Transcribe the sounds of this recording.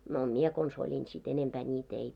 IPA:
no mie kons olʲin sit enempæː nʲit ei

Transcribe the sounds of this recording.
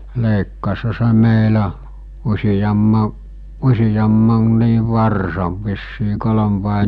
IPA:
leikːɑshɑ se meilæ usijɑmːɑ usijɑmːɑnːiːʋ ʋɑrsɑʋ ʋisːiː kolom ʋɑˑe

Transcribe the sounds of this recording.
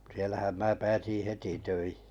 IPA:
sielæhæm mæː pæːsĩˑ heti tøihi̥

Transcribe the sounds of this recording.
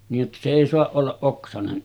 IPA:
niːj jotːɑ se eˑi soɑʔ ʔolːɑʔ ʔoksɑnen

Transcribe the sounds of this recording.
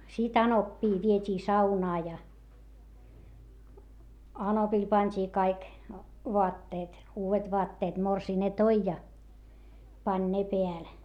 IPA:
sit ɑnopːiː ʋietʲiː sɑunɑː jɑ ɑnopil pɑntʲiː kɑik ʋoɑtːeːt uːʋet ʋoɑtːeːt morsiː ne toi jɑ pɑnʲ ne peæl

